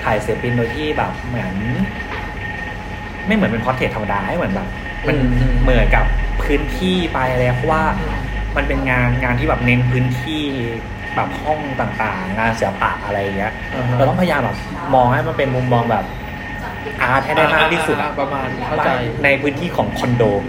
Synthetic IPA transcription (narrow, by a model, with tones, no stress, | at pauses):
k̪ʰaː˨˩jsi˨˩˦pi˧ndoː˧t̪ʰiː˥˩bɛ̰ː˨˩p̚mɯ˩˦ən | ma˥˩jmɯ˩˦npe˧kʰɔ˦˥nt̪ʰe˨˩t̪ʰːa˧m˧daː˧a˥˩jmɯ˩˦nbɛː˨˩p̚ | ma˧nmɯ˨˩˦ənka˨˩pʰːɯː˦˥nt̪ʰiː˥˩pa˧jʔa˧lɛ˧˦˥pʰɔ˦˥waː˥˩ma˧npe˧nŋaː˧nŋaː˧nt̪ʰiː˥˩bɛː˨˩p̚ne˧˦˥npʰɯː˦˥nt̪ʰiː˥˩ | bɛː˨˩p̚hɔ˥˩ŋt̪aː˨˩ŋt̪aː˨˩ŋːaː˧nsi˨˩˦ɐpa̰˨˩ʔʔa˧ɾa˧jʔi˨˩ŋi˦˥ɐʔɛ˧t̪ɔ˥˩pʰjaː˧mbɛː˨˩p̚ | mɔː˧ŋha˥˩jma˧npe˧nmu˧mːɔː˧ŋbɛː˨˩p̚ | ʔaː˧˥ɛː˥˩da˥˩mʰaː˥˩k̚t̪ʰiː˥˩su˨˩t̪̚a̰˨˧˩a˧ma˧n˧˩a˨˩˧na˧jpʰɯː˦˥nt̪ʰiː˥˩kʰɔː˩˦ŋkʰɔ˧ndoː˧